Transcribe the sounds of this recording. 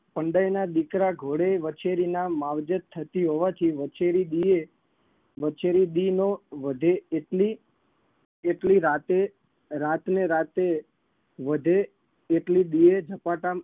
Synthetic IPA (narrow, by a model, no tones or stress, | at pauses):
pəɳɖajnad̪ikɾaɡʱoɽeʋət͡ʃeɾinamaʋd͡ʒət̪t̪ʰːət̪iɦoʋat̪ʰiʋət͡ʃeɾid̪ie | ʋət͡ʃeɾid̪inoʋəd̪ʱeeʈli | eʈliɾat̪e | ɾat̪neɾat̪e | ʋəd̪ʱeː | ʈlid̪ied͡ʒʱəpaʈa